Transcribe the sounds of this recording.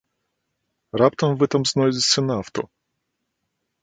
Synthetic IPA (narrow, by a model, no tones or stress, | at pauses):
ɾapt̪ɐmvɛt̪ɐmznozʲɪsʲənaft̪o̰